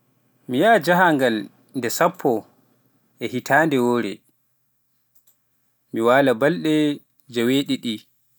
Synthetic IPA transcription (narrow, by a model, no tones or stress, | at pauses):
mijaːd͡ʒaɦaŋɡal | ndɛsapʰːɔ | ʔɛhitʰaːndɛwoːɾɛ | miwaːlabalɗɛ | d͡ʒaweːɗiɗi